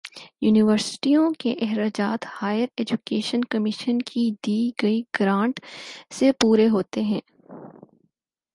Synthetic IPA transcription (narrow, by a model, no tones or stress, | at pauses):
juːnɪʋəɾsɪ̥ʈijõkeʔɛɦɾaːd͡ʒaːt̪haːjəɾeːd͡ʒukeːʃənkɐmɪʃənkʰid̪iːɡɐiɡɾãːɳʈsepuːɾeɦoːt̪eɦɛ̃ː